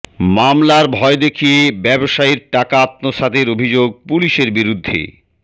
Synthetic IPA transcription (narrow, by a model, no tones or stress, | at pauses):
mamlaɾbʱɔed̪ekʰijebɛboʃaiɾʈakaːt̪noʃad̪eɾobʱid͡ʑoɡ̚puliʃeɾbiɾud̪ʱːḛ